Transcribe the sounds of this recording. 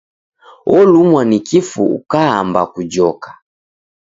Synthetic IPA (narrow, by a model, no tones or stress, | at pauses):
ɔlumwanikifuṵkaambakud͡ʒɔkḁ